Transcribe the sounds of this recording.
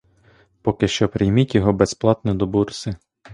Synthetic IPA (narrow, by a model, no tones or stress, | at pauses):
pɔkɪʃt͡ʃɔpɾɪjmitʲjɔɦɔbɛsplˠɑt̪nɛd̪ɔbursɪ